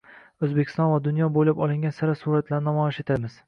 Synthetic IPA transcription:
ɵzbekʲʰɪ̥st̪ɒnvad̪ʊnjɒbojlapɒlˠɪŋɡʲansaɾasuɾat̪laɾɪnɒmɒjɪʃe̞t̪ʰamɪz̥

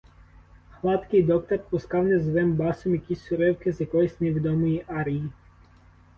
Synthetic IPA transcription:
xlˠɑt̪kɪjd̪ɔk̚t̪ɔrpʊskɑwnɛzʋɪmbɑsɔmjɐkʲisʲsʊɾɛwkɪzʲjɐkɔjisʲneʋʲid̪ɔmɔjiʔɑɾɪji

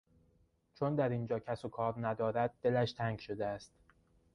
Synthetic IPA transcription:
t͡ʃʰond̪æɾind͡ʒɒːcʰæsokʰɒːɾnæd̪ɒːɾæd̪̚ːe̞læʃt̪ʰæŋɡʃo̞d̪eæst̪

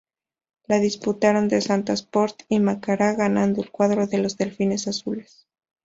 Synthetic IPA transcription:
laðisput̪aɾo̞nd̪esant̪aspoɾt̪imakaɾaɣanand̪oelkwaðɾo̞ðe̞lo̞zðe̞lfine̞sasule̞s

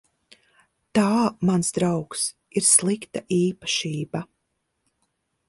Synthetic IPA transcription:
t̪aːmansd̪ɾawks | iɾslˠikt̪aʔiːpḁʃiːba

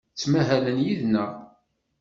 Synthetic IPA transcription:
t͡sːmæɦælənjiðnæ

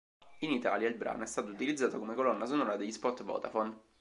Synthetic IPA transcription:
init̪a̰ːljailbɾa̰ːnoɛst̪aːt̪out̪ilid̪zːaːt̪okomekolɔnːasonoːɾad̪eʎːispɔt̪ːvɔ̰ːt̪afɔn

